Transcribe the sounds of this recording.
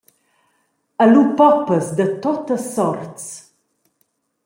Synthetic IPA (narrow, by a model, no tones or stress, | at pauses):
əlupɔpəsd̪ət̪ot̪əsːɔrt̪s